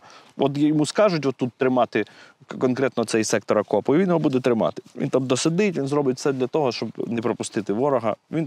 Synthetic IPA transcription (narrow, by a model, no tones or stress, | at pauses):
ʔɔt̪jjɔmuskɑʒʊtʲʋɔt̪ːut̪ːɾɪmɑt̪ɪkɔnkɾɛt̪nɔɔt̪sɛjsɛk̚t̪ɔɾɐkɔpɔiʋinjɔɦɔbud̪ɛt̪ɾɪmɑ̰t̪ɪ̥ʋḭnt̪ɑmd̪ɔsɐd̪ɪtʲʋʲinzɾɔbɪtʲsɛd̪lʲɐt̪ɔɦɔʃt͡ʃɔbnɛpɾɔpʊst̪ɪt̪ɪʋɔɾɔɦɐ̰ʋin